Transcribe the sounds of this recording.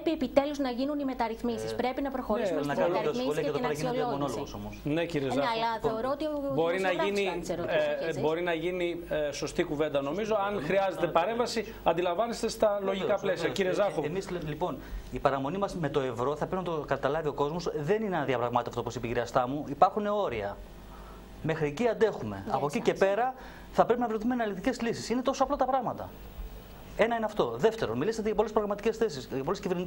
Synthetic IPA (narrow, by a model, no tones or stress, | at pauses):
piepit̪e̞luznɐʝinunimet̪ɐɾiθmisispɾe̞pinɐpɾoxo̞ɾislnɐkɐnosoliɐɐt̪oeɾɐinmono̞loɣoso̞mosneciɾiezɐlɐθeoɾoot̪iboɾinɐʝiniseɾobo̞ɾinɐʝiniso̞st̪ikuve̞nd̪ɐno̞mizoɐnxɾiɐze̞t̪epɐɾẽ̞ɱvɐsi | ɐnd̪ilɐ̃ɱvɐnest̪e̞st̪ɐlo̞ʝikɐplesiɐciɾiezɐxoemislipo̞nipɐɾɐmo̞nimɐzme̞t̪o̞e̞vɾo̞θɐpɾe̞pinɐt̪okɐt̪ɐlɐvio̞ko̞zmo̞sðe̞nineɐnɐðiɐpɾɐɣmɐt̪eft̪oposipeʝiɾiɐst̪ɐmuipɐɾxune̞o̞ɾiɐ̰ | me̞xɾieciɐnd̪e̞xume̞̰ɐ̰pocice̞pe̞ɾɐ | θɐpɾe̞p̬inɐvɾeθumenɐlikt̪ice̞zlisisinet̪o̞soɐplɐt̪ɐpɾɐɣmɐt̪ɐ | e̞nɐineɐft̪o̞ðe̞ft̪e̞ɾo̞nmiliset̪eʝɐpolespɾoɣɾɐmɐt̪icesθesisʝɐp̬o̞lesciveɾni